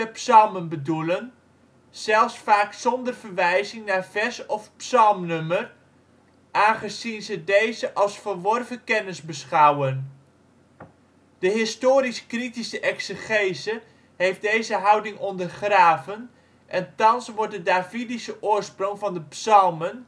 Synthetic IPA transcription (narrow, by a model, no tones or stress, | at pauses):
əpsɑlˠmənbədulən | z̥ɛlˠfsfaːksɔndərvərʋɛjzɪŋnaːrvɛsɔfpsɑlˠmnømər | ʔaːnχəzinzədejzəʔɑlˠsfərʋɔrvəkɛnɪzbəsχawən | d̥əɦɪstoːɾisə̥kritisəʔɛksəχejzə | hejf̚dejzəɦʌwdɪŋʔɔndərχraːvən | ʔɛntɑnsʋɔɹt̚dədaːvidisəʔʊːɹsproŋvɑndəpsɑlˠmən